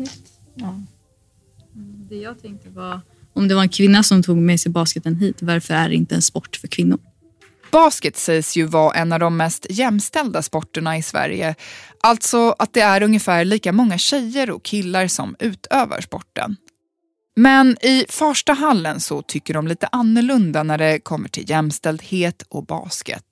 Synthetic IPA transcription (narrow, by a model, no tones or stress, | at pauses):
d̪ɛjɑːɡ̚t̪ʰɛŋk̚t̪əɾvaɾ | ɔmd̪ɛvaɾɛnkʰvɪnːasɔmt̪ʰuːɡmɛːsɛjbɑːskət̪ənɦiːt̪vaɾfœɾæ̰ɖɛɪ̰nt̪əɛ̰nspɔʈːfœɾkʰvɪnːʊɾ | b̥ɑːskət̪sɛjsjɵvaʔɛnːavd̪ɔmːɛst̪jɛmːst̪ɛld̪aspɔʈːəɳaɪsvæ̰ɾjə̰ʔalt̪sɔat̪̚d̪ɛæɾɵŋjəfæːɭiːkamɔŋːaɕɛjːəɾɔ̰kʰɪlːaɾsɔ̰mʉ̟ːt̪ʰøːva̰ʂpɔ̰ʈːə̰n | mɛnɪfœʂʈaɦalːənsɔt̪ʰʏkːəɖɔmliːt̪əʔanːəɭɵnd̪anæɖɛkʰɔmːəʈʰɪ̰ljɛmst̪ɛld̪heːt̪ʰɔbɑ̰ːskə̰t̪